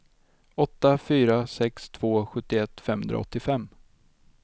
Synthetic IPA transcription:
ɔt̪ːafyːɾasɛkst̪ʰv̥oːɧɵt̪ːɪɛt̪ːfɛmhɵnd̪ɾa̰ɔ̰t̪ːɪfɛmː

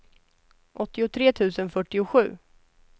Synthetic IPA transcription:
ʔɔt̪ːɪʊt̪ʰɾeːt̪ʰʉ̟ːsənfœʈːɪʊɧʉ̟ː

